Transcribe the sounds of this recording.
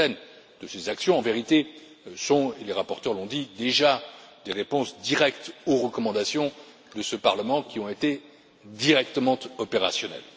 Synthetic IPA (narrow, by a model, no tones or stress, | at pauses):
ɛn | d̪̥əsezaksjɔ̃ɑ̃veʁit̪e | sɔ̃eleʁapɔʁt̪œʁlɔ̃d̪id̪eʒad̪eʁepɔ̃sd̪iʁɛkt̪oʁəkɔmɑ̃d̪asjɔ̃ | d̪əsəpaʁləmɑ̃kʲiɔ̃et̪e | d̪iʁɛk̚t̪əmɑ̃t̪ɔpeʁa̰sjɔnɛ̰l